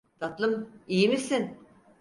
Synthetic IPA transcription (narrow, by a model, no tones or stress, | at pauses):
t̪ʰat̪lˠɯmijimisin